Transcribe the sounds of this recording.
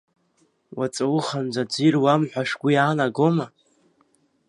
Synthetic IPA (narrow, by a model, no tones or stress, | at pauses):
wat͡sʼawʊχand͡zʷad͡zirwamħʷᶣaʂɡʷijaːnaɡoma